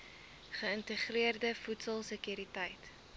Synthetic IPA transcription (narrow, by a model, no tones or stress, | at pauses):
χəəntəχriərdəfutsəlˠsəkjyɾitɐjt